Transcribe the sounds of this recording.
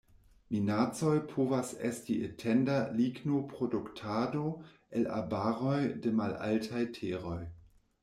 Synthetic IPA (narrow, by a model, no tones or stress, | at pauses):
minat͡so̞jpʰovasestiʔetʰendaliɡnopʁoduktʰado̞ | ela̰baʁo̞jdemala̰ltʰajtʰeʁo̞j